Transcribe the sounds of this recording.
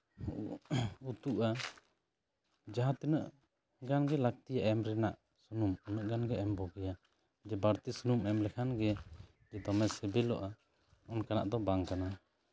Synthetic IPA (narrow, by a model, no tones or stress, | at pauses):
ut̪uʔa | d͡ʒaɦãt̪inəʔ | ɡanɡɛlak̚t̪ijaʔɛmɾɛnaʔ | sunumɔnəʔɡanɡɛɛmbɔɡɛja | d͡ʒɛbaɾt̪isunumɛmlɛkʰanɡɛ | d͡ʒɛd̪ɔmɛsɛbɛlɔ̰ʔa | ɔnkana̰ʔd̪ɔbaŋkana